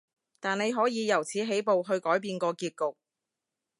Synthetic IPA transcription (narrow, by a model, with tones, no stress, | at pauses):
t̪aː˨ne˨˧jɦɔː˨˥jiː˨˧jɐ˨˩wt͡sʰiː˨˥ɦe˨˥jpo˨wɦɵ˧ɥkɔː˨˥jp̬iː˧nkɔː˧kiː˧t̚kʊ˨k̚